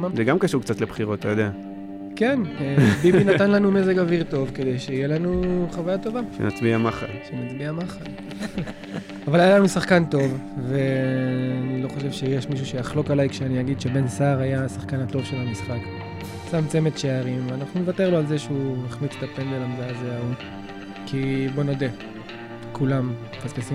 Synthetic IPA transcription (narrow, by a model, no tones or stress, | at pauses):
zeɡamkaʃuʁkt͡sat̪lebχiʁot̪̚ːajod̪ea | ke̞nbiinatanlanume̞ze̞ɡaviʁto̞vked̪e̞jʃeijelanuχavajato̞vaʃḛna̰t͡sbiamaχa̰lʃemat͡sbiamaχal | avalajalanusaχkanto̞vveanilo̞χo̞ʃ̬e̞vʃe̞jeʃmiʃ̬uʃeaχlo̞kalajkʃeaniaɡid̪ʃe̞be̞nsaʁajasaχkanato̞vʃelamisχak | t͡samt͡semetʃeaʁimveanaχnunevate̞ʁloalzeʃeuneχnit͡se̥tapendelamdaazeau | kʰibo̞no̞de | kulam | fazkasi